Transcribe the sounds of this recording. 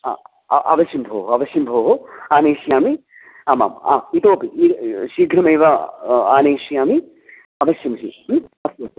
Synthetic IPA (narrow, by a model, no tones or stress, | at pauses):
a̰ | ʔɐ̰ʋɐʃjimbʱoːɦoɐʋɐʃimbʱoːɦoaːneːʃijaːmi | ama̰ːma̰ːit̪oːpiiʃiːɡɾɐmɐjʋɐaːneːʃijaːmi | ɐʋɐʃjɐmʃḭɐsoːt